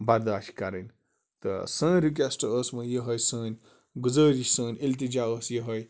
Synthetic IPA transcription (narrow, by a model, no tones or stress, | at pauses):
baɾd̪aːʃi̥kaɾɐnʲ | t̪ə̰sə̃ːnɾik̬esʈəəːsmɐjəɦɐjsə̃ːnʲ | ɡud͡zəːɾisə̃ːnʲilt̪̬id͡ʒaəːsjəɦəj